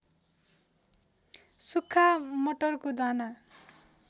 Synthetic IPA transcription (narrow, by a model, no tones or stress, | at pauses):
sukʰːamoʈʌrkod̪ʱana